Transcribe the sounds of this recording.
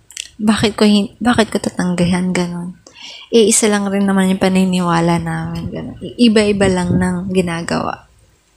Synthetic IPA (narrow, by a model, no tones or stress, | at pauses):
baːkɪt̪̚kohɪbaːkɪt̪̚kot̪at̪ɐŋɡɐɦanɡɐno̞nʔɛʔɪsalɐŋɾɪnːɐmanjʊŋpɐnɪnɪwaːlɐnaːmɪnɡɐnonʔɪbaʔɪbalɐŋnɐŋɡɪnaːɡɐ̰wa̰ʔ